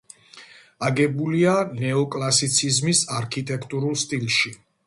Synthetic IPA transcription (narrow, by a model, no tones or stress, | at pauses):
aɡɛbulianɛɔkʼlˠasit̪sʰizmisaɾkʰit̪ʼɛkʰt̪ʼuɾulˠst̪ʼilˠʃi